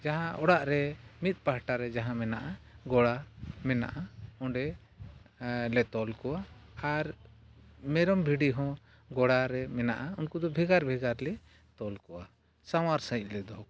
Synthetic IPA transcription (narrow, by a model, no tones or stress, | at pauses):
d͡ʒaɦãʔɔɽaʔɾɛmit̪̚ˀpaɦʈaɾɛd͡ʒaɦãmɛnaʔaɡɔɽamɛna̰ʔaɔ̃ɖɛ | lɛt̪ɔlkɔwaːɾ | mɛɾɔmbʱiɖiɦɔ̃ | ɡɔɽaɾɛmɛnaʔaunkud̪ɔbʱɛɡaɾbʱɛɡaɾlɛ | t̪ɔlkɔwa | sawaɾsãic̚ˀlɛd̪ɔɦk